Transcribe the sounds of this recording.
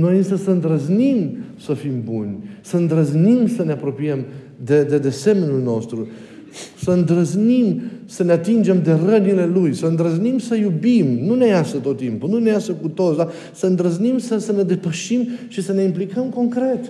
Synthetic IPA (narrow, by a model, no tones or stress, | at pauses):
no̞jɨnsəsəɨnd̪ɾəznimsəfimbunʲsəɨnd̪ɾəznimsəne̞apɾo̞piəm | d̪ed̪ed̪e̞semenʲulno̞st̪ɾu | səɨnd̪ɾəznimsəneat̪ind͡ʒe̞md̪e̞rənile̞lujsəɨnd̪ɾəznimsəjubimnune̞jasət̪o̞t̪ːimpununejasəkut̪ot̪sd̪a | səɨnd̪ɾəznimsəsəne̞d̪e̞pəʃimʃisəne̞implikəmko̞ŋkɾe̞t̪